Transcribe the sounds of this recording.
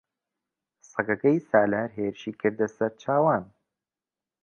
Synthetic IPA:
sɐɡɐɡɐjsaːlaːɾɦeːɾɨʃiːkʰɨɾd̪ɐsɐɾt͡ʃʰaːwaːn

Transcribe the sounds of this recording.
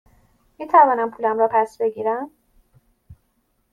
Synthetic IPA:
miːt̪ʰævɒːnæmpʰuːlæmɾɒːpʰæsbe̞ɡiːɾæn

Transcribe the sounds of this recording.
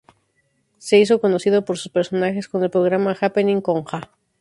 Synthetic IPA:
se̞is̬o̞ko̞no̞siðopoɾsu̥spe̞ɾso̞naxe̞sko̞ne̞lpɾo̞ɣ̞ɾamaxapenĩŋkoŋxa

